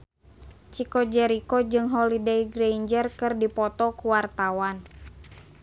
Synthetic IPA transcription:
t͡ʃikɔd͡ʒɛɾikɔd͡ʒɨŋɦɔlidejɡɾeind͡ʒərkɨrdipɔt̪ɔkuwart̪awan

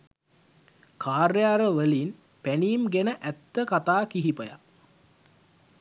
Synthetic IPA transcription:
kʰaːrjaːɾəʋəlin | pæniːmɡenəʔæt̪ːəkat̪aːkiɦipəja̰

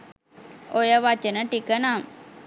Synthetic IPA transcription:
ʔojəʋat͡ʃənəʈikənaŋ

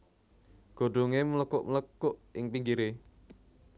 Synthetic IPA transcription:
ɡ̥o̤ɖoŋemələkʊʔmələkːʊʔɪŋpiŋɡiɾe

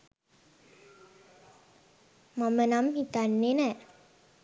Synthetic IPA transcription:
mamənamhit̪anːenɛ

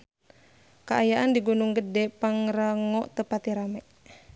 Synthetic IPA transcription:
kaʔajaʔandiɡunuŋɡədɛpaŋɾaŋɔʔt̪əpat̪iɾamɛʔ

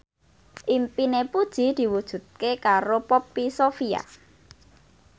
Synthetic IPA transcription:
ʔimpinepud̥ʒ̥i̤d̪̥i̤wud̥ʒ̥ṳt̪̚kekaɾopɔpisofia̰

